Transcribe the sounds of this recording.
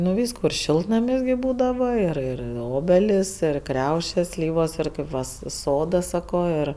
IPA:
nʊ ˈʋʲiːskuː ɪr ˈʃʲɪlˠtnɐmʲɪs ɡʲɪ ˈbuːdɐʋɐ ɪr ˈɪr ˈoːbʲɛlʲɪs ɪr ˈkrʲɛʊʃʲeːs ˈsʲlʲiːʋoːs ɪr ˈkɐɪp ʋɐ s ˈsoːduɔs ˈsɑːkoː ɪr

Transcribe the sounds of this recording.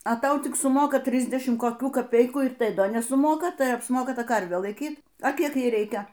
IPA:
ɐ ˈtɐʊ ˈtʲɪk sʊˈmoːkɐ ˈtʲrʲɪzʲdʲɛʃʲɪmt koːˈkʲuː kɐˈpʲɛɪkuː ɪr ˈtɐɪ ˈdɐ nʲɛsʊˈmoːkɐ ˈtɐɪ ɐpsˈmoːkɐ ˈtɐ ˈkɐrʲʋʲeː lˠɐɪˈkʲiːt ɐ ˈkʲiɛk ˈjɛɪ ˈrʲɛɪkʲɛ

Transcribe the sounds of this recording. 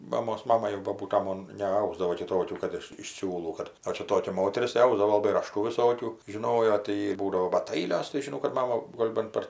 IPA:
ˈmɑːmoːs ˈmɑːmɐ jɛʊ boːˈbuːtɐ ˈmoːn nʲɛˈɐʊzdɐʋoː kʲɪˈtoːkʲuː ˈkɐt ɪʃ ɪʃ ˈsʲuːlˠuː ˈkɐt ˈoː t͡ʃʲɛ ˈtoːkʲɛ ˈmoːtʲɛrʲɪs tɐɪ ˈɐʊzdɐʋoː lˠɐˈbɐɪ rɐˈʃtuː ʋʲɪˈsoːkʲuː ʒʲɪˈnoːjoː tɐɪ ˈjiː ˈbuːdɐʋoː bɐt ˈɐɪlʲoːs tɐɪ ʒʲɪˈnɐʊ kɐt ˈmɑːmɐ ˈɡoːlʲ bɐn ˈpɐr

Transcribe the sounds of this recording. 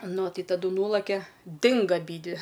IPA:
ˈnʊ ˈtɐɪ tɐˈdʊ ˈnuːlˠɐkʲɛ ˈdʲɪŋɡɐ ɐˈbʲiːdʲʋʲɪ

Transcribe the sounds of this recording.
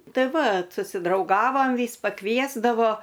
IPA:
ˈtɐɪ ˈʋɐt sʊsʲɪdrɐʊˈɡɑːʋɐm ˈʋʲiːs pɐˈkʋʲiɛzdɐʋoː

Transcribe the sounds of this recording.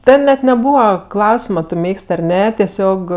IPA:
ˈtʲɛn nʲɛt nʲɛˈbuːʋɐ ˈklˠɐʊsʲɪmɐ ˈtʊ ˈmʲeːksʲtʲ ɐr ˈnʲɛ tʲɛˈsʲoːk

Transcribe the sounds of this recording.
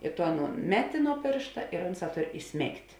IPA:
ɪ toː ˈɑːnuːn ˈmʲæːˌtʲɪ nuɔ ˈpʲeːrʃtɐ ɪr ˈʊnˌsɑː ˈtoːr ɪˈsʲmʲeːktʲ

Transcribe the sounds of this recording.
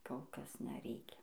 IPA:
koːlˠ ˈkɐs nʲɛˈrʲɛɪkʲɛ

